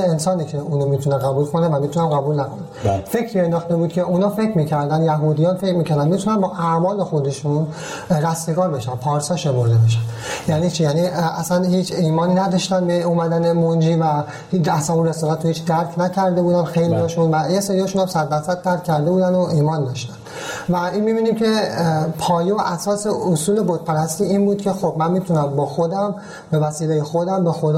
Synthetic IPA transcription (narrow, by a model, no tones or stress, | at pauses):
ensɒːniːcʰeuːnomit̪ʰuneɣæbuːlkʰonevæmit̪ʰunænɡæbuːlnækʰonænfe̞cʰɾiend̪ɒːχt̪ebuːd̪̚cʰe̞ʔuːnɒːfe̞cʰɾmiːcʰæɾd̪ænjæɦuːd̪ijɒːnfe̞cɾmiːcʰæɾd̪ænmit̪ʰunænbɒːʔæmɒːle̞xo̞d̪e̞ʃun | ɾæsmeɡɒːɾbe̞ʃænpʰɒːɾsɒːʃe̞mo̞ɾd̪ebeʃ̬ænjæniːt͡ʃʰijæniæsænhiːt͡ʃʰiːmɒːniːnæd̪ɒʃt̪ænbeuːmæd̪ænemond͡ʒiːvæ | hiæsænunɾesɒlæt̪ʰːohiːt͡ʃd̪æɾkʰnæcʰæɾd̪e̞buːd̪ænxejlijɒʃunvæjesɒːɾijɒʃuːnæmsæd̪ːæɾsæd̪̚t̪ːæɾkʰʲcʰːæɾd̪e̞buːd̪ænd̪oʔiːmɒːnd̪ɒːʃt̪æ̥n̥ | væinmibiːnimcʰe̞pʰɒːjejoʔæsɒːse̞osuːle̞bot̪̚pʰæɾæst̪iːiːnbuːd̪cʰʲe̞xobmænmiːt̪ʰunæmbɒːxod̪æm | be̞væsiːlejexod̪æmbe̞xod̪